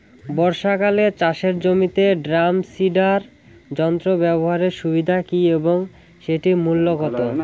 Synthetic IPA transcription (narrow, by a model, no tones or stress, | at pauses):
bɔɾʃakalet͡ɕaʃeɾd͡ʑomit̪eɖɾamsiɖaɾ | d͡ʑɔnt̪ɾobɛboɦaɾeɾʃubid̪ʱakieboŋ | ʃeʈimulːoɡɔt̪o